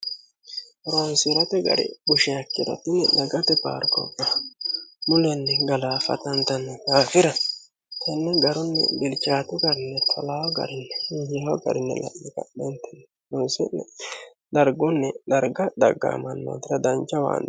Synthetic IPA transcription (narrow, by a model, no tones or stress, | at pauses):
ɾonsɪɾɐt̪ɛɡɐ̰ɾɪ̰ɡʊʃɛjɐkːɪd̪ɔ̰t̪ːɪnɛd̪ɐɡɐt̪ɛpa̰ːɾkɔ̰kːɐ | mʊlɛnːɛɡɐlaːfɐ̰t̪ɐnt̪ɐnːɛɡaːfɪɾɐ | t̪ʰɛnːɛɡɐɾʊnːɛ̰bɪlt͡ʃaːt̪ʊɡɐɾɪnːɛt̪ʰɔlawɔɡɐ̰ɾɪnːɛjɛɔɡɐ̰ɾɪnːɛ̰lɐ̰ʔːɪkɐɗɛnt̪ɛnːɛ | ɾʊnsɪnːɛ̰ | d̪ɐɾɡʊnːɛd̪ɐɾɡɐd̪ɐɡːa̰mɐnːo̰ːt̪ːɪɾɐd̪ɐnt͡ʃːɐwa̰ːn